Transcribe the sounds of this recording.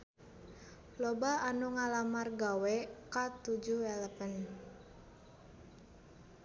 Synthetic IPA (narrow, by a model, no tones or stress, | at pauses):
lobaanuŋalamarɡawɛkat̪ud͡ʒuhɛləpən